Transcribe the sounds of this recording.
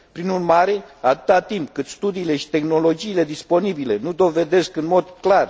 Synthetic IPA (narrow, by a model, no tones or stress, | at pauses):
pɾinurmaɾe̞at̪ɨ̥t̪at̪impkɨt̪st̪ud̪iːle̞ʃi̥t̪e̞xno̞lo̞d͡ʒiːle̞d̪ispo̞nibile̞nud̪o̞ve̞d̪e̞skɨnmo̞d̪klar